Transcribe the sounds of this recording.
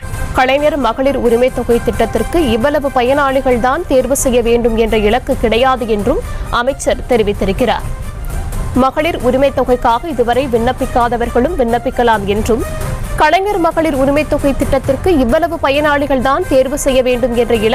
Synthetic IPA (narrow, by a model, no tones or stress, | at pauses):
kɐɭɐɪnɐɾmɐɣɐɭɪɾʊɾɪmɐɪt̪ːɔɣɐɪt̪ːɪʈːɐt̪ːɪrkɯɪʋːɐlɐʋɯpɐjɐnaːɭɪɣɐɭt̪aːnt̪eːɾʋɯsɛjːɐʋeːɳɖɯmɛndrɐɪɭɐkːɯkːɪɽɐjaːðɯɛndrɯmʔɐmɐɪt͡ʃːɐɾt̪ɛɾɪʋɪt̪ːɪɾɯkːɪra̰ːɾ | mɐɣɐɭɪɾʊɾɪmɐɪt̪ːɔɣɐɪkːaːɣɐɪðɯʋɐɾɐɪʋɪɳːɐpːɪkːaːðɐʋɐɾɣɐɭɯmʋɪɳːɐpːɪkːɐɭaːmɛndrɯmkɐɭɐɪnɐɾmɐɣɐɭɪɾʊɾɪmɐɪt̪ːɔɣɐɪt̪ːɪʈːɐt̪ːɪrkɯɪʋːɐlɐʋɯpɐjɐnaːɭɪɣɐɭðaːnt̪eːɾʋɯsɛjːɐʋeːɳɖɯmɛndrɐɪɭɐ